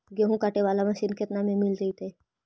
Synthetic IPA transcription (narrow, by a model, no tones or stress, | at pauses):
ɡeɦũkaːʈeʋaːlamɐʃinket̪namẽmɪlɾɐɦit̪ʰe